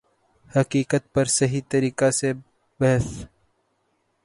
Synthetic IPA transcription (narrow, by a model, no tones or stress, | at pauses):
hɐkiːkət̪̚pɐɾsɐɦit̪ɐɾiːqase | bɐɦəs